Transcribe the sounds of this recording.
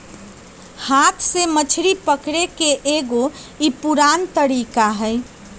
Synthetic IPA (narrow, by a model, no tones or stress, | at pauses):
hat̪ʰsemət͡ʃʰɾipəkɾekeʔeɡoipuɾant̪əɾikaɦəɪ